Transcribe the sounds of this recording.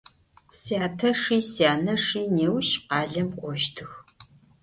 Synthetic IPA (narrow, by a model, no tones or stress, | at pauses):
sjaːtʰɐʂiːsjaːnɐʂiːneːwʃqɑːɮɐmkʷʼɔʃtʰɨx